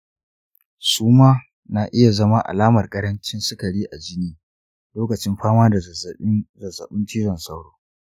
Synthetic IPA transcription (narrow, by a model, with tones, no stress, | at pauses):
suː˦maː˦ | na˨ʔɪ˦ja˨zɐ˦ma˦ʔa̰˨laː˦mɐ˨rkʼɐ˦ɽɐ˦nt͡ʃɪ˦nsɪ˦kɐ˨ɽiː˦ʔa˨d͡ʒɪ˦niː˦ | loː˦kɐ˨t͡ʃɪ˦mɸaː˦maː˦da˨˦zɐ˨zɐ̰˨ɓɪ˦ntiː˦zɐ˨nsɐ˦wɽoː˦